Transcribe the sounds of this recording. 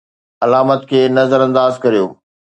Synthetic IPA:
ɐlaːmət̪kʰeːnɐzəɾɐ̃nd̪aːzkɐɾijoː

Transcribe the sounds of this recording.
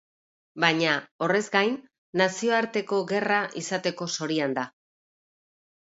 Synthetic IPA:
baɲao̞re̞zɡajnː | asio̞aɾt̪e̞ko̞ɣe̞raʔisat̪e̞ko̞so̞ɾiand̪a

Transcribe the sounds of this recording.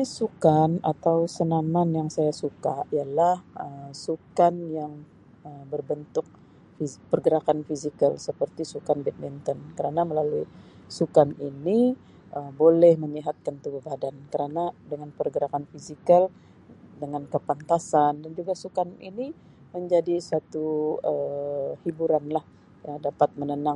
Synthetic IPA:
sukanat̪awsənamanjaŋsajasukaijalahəsukanjaŋ | əmbərbənt̪ʊk̚ | fipərɡəɾakanfizikəlsəpərt̪isukanbɛt̪̚mint̪ɔnkəɾanaməlalui | sukanini | ʔəbolɛhməɲiɦat̪̚kant̪ubuhbadankəɾanadəŋanpərɡəɾakanfizikal | dəŋankəpant̪asandand͡ʒuɡasukanḭni | məɲd͡ʒadisat̪uəhibuɾanlah | dapat̪̚mənənaŋ

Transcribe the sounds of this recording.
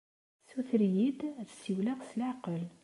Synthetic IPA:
suθɾjid̪æðsiwlæʁslaʕqəl

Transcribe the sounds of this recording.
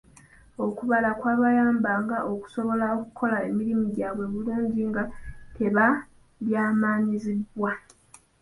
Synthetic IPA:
o̞kuβalakwaːβajaːmbaːŋɡaʔo̞ku̥so̞βo̞laokukʰo̞lae̞miɾimuɟaːβwe̞βuluːɲɟiŋɡate̞βa | βjaːmaːɲizibwa

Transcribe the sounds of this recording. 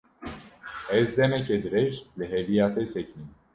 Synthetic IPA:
ɛzd̪ɛmɛkʰɛd̪ɾɛɾləɦɛlijat̪ʰɛsɛknin

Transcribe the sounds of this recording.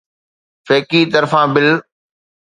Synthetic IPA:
feːkiːt̪ɐɾfãːbɪl

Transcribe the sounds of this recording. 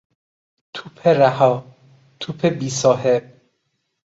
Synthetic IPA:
t̪ʰuːpʰeɾæhɒː | t̪ʰupʰebiːsɒːɦeb̚

